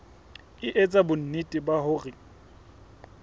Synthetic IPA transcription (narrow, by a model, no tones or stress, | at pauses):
ɪʔet͡sʼabʊn̩nitʼɪbahʊːrɪ